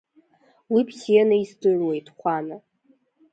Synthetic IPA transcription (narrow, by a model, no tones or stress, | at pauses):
wipʰsianaisdɨʕwe̞jtʰʼχʷana